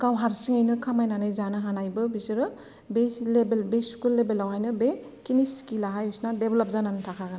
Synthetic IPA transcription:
ɡawɦaɾsiŋajnɯkʰamajnanɯjzanɯɦanajbɯbisɯɾɯ | belebelbeskulːebelawhajnɯbe | kinisi̥kilaɦajusnadebelap̚zanantʰakʰaɡan

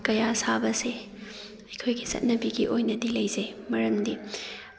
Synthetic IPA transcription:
kɐjasabɐse | ɐjkʰojɡisɐ̰t̚nɐbiɡiʔojnɐdilɐjzemɐɾɐmdi

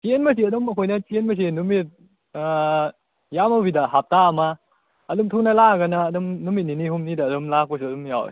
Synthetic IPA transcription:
t͡ʃenmɐs̬iɐdɔmɐkʰojnɐt͡ʃenmɐs̬inumit̚ː | jamawbidaɦap̚taːmaː | dumtʰunalaɡɐnɐːdumnumit̚ninihumnidaːdumlak̚pɐs̬ɯɐdumjaw̰

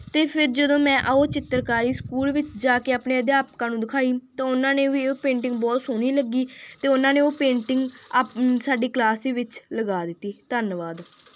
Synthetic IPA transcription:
t̪eːpʰɪɾd͡ʒəd̪õːmɛ̃ːʔoːt͡ʃɪt̪ːəɾkaːɾiːskuːlʋɪt͡ʃd͡ʒaːkeːaːpneːəd̪jaːpkãːnũːd̪ɪkʰaːiːt̪ãːʊnãːneːʋiːpẽːɳʈɪŋɡ̚bɔːt̪soːniːləɡiːt̪eːʊnãːneːoːpẽːɳʈɪŋɡ | saːɖiːklaːsiːʋɪt͡ʃləɡaːd̪ɪt̪ːiːt̪ənʋaːd̪

